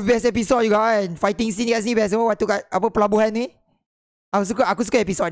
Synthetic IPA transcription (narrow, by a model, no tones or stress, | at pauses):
fbɛsɛpisɔt̚juɡaɛnfajt̪ĩŋsĩnkaʔs̬inibɛs̬ɛwəwat̪ukaap̬əpəlabuɦannĩ | akus̬ukəʔakus̬u̥kaɛpisɔt̚